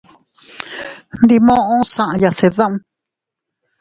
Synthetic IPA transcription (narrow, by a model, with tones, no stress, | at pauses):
nd̪i˧mõ˦ʔõ˦sã˨ʔã˧ja˨se˨˧ðã˦ʔũ˦˧